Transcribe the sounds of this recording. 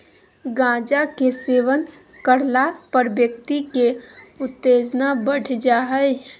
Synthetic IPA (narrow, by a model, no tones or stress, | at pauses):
ɡãːd͡ʒakeseːʋən | kəɾlapəɾbjək̚t̪ikeʊt̪ːeːd͡ʒnabəɽd͡ʒaːɦɛe